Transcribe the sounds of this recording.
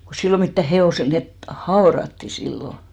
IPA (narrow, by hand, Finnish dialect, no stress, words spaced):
ko silːo mitːæ heoˑsel net hɑorɑtːi silːo